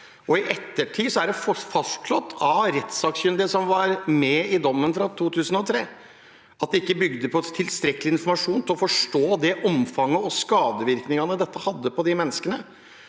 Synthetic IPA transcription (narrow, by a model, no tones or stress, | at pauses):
ɔɪʔɛt̪ːəʈʰiːsɔæɖɛfɔfɑstɭɔt̪ʰːɑʋɾɛt̪sɑːkɕʏnd̪əsɔmʋɑɾmɛɪd̪ɔmːənfɾɑt̪ʰuːt̪ʰʉːsənɔt̪ʰɾeː | ɑt̪̚d̪ɛɪkːəbʏɡd̪əpʰɔt̪ʰɪlst̪ɾɛkəlɪɪnfɔɾmɑʂuːnt̪ɪlɔfɔʂʈoːd̪ɛʔɔmfɑŋːəɔskɑːd̪əʋɪɾknɪŋɑnəd̪ɛt̪ːəhɑd̪ːəpɔd̪ɪmɛnːəskənə